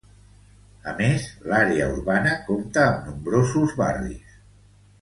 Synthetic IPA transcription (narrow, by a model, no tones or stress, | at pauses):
əmezlaɾeəṵɾβanəkomt̪əːmnumbɾozuzβa̰rḭs